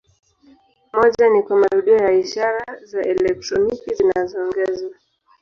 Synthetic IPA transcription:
mɔʄanikwamaɾuɗiɔjaiʃaɾazaʔɛlɛk̚tɾɔnikizinazɔːŋɡɛzwa

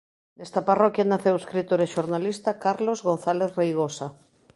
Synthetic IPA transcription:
nest̪aparɔkjanaθeweskɾit̪oɾeʃoɾnalist̪akaɾlozɣõnθaleθrejɣ̞osa

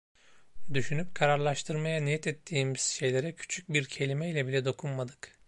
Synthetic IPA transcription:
d̪yʃynyp̚kʰaɾaɾlˠaʃt̪ʰɯɾmajanijɛt̪ʰɛt̪ʰːiːmiz̥ʃe̞jlʲe̞ɾɛcʰy̥t͡ʃʰyc̚biɾcʰe̞lʲimɛilʲɛbilʲɛd̪o̞kʰunmad̪ɯ̥k

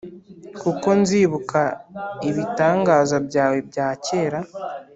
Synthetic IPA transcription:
kuko̞nziːβukaiβitaːŋɡaːzabɟaːwe̞bɟaːce̞ːɾa

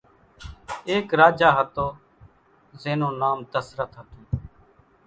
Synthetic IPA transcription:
eːkɾaːd͡ʒaːɦət̪oː | zeːnõːnaːmt̪əsɾət̪ɦət̪õː

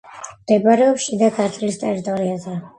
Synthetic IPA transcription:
md̪̥ɛbaɾɛɔpʃid̪akʰaɾt̪ʰlist̪ʼɛɾit̪ʼɔɾiazɛ

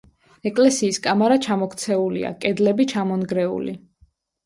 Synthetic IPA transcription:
ɛkʼlɛsiːskʼamaɾat͡ʃʰamɔkʰt̪sʰɛulḭa̰kʼɛd̪lɛbit͡ʃʰamɔnɡɾɛṵli

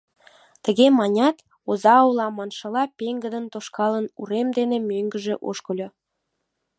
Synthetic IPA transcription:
t̪ə̆ɣemɑnʲɑt̪ | ozɑulɑmɑnʃɤ̆lɑpʲeŋɡə̆d̪ənt̪oʃkɑlənuɾemd̪enemøŋɡə̆ʒeʔo̰ʃkɤ̆lʲo

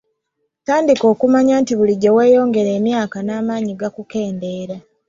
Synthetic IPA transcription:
taːndiko̞ːkumaɲaːntiβuliɟːewe̞ːjo̞ːŋɡe̞ɾe̞ːmjaːkanaːmaːɲiɡakuke̞ːnde̞ːɾa

